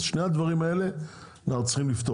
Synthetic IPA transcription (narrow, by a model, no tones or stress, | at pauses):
ʃnejad̪vaʁimae̞le̞ | naχt͡sχimlift̪o